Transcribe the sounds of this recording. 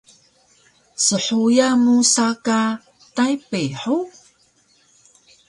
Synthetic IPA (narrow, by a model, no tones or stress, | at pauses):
səħujamusaka | tajpeħu